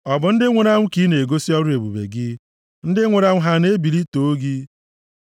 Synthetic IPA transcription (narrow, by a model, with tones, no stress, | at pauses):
ɔ˨bʊ˨n̩˦dɪ˦ŋʷe˨ɾa˦ŋʷʊ˦ki˦ne˨ɡo˦si˦ɔ˦ɾʊ˦e˨bu˨bḛ˨ɡɪ˦ | n̩˦dɪ˦ŋʷe˨ɾa˦ŋʷʊ˦ɦa˦ne˦bi˨li˦to˨o˦ɡi˦